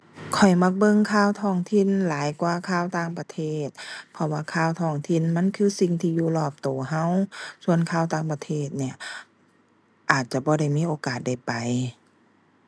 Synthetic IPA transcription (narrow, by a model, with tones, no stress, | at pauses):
kʰɔ˨˩jma˧˩k̚bɤ˧˨ŋkʰaː˧˩˨wt̪ʰɔː˧˩ŋt̪ʰi˧˥˨nlaː˨˦jkwaː˧kʰaː˧˥˩wt̪aː˧˩ŋpa˧t̪ʰeː˧˥˩t̪̚pʰɔ˧waː˧kʰaː˧˩˨wt̪ʰɔː˧˩ŋt̪ʰi˧˥˨nma˧˥˨nkʰɯː˧˥˨si˧˩ŋt̪ʰiː˧˩juː˧˩lɔː˧˩p̚t̪oː˨˩ɦa˧˥˨wsu˧ənkʰaː˧˥˩wt̪aː˧˩˨ŋpa˧t̪ʰeː˧˩t̪̚ni˧˩ɐ | ʔaː˨˩t̪̚t͡ɕa˧˩bɔː˧˦ɾa˧˩˨jmiː˧˥˨ʔoː˨˧˦kaː˨˩t̪̚da˧˩jpa˨˩j